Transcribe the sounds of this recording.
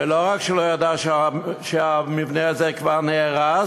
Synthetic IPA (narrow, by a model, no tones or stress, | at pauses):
eloʁakʃelojadaʃʃeamivneazɛkvaʁneːʁa